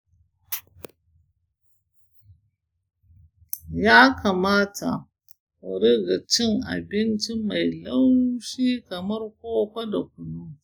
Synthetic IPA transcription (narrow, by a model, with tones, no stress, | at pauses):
jaː˦kʰa˨maː˦ta̰˨ | wɐ˨ɽi˦ɡa˨t͡ʃɪ˦ŋʔa̰˨bɪ˦nt͡ʃi˦ma˨jla˦wʃiː˦kɐ˨mɐ˦rkʷoː˦kʷa˦da˨k̚ʷʊ˨nu˦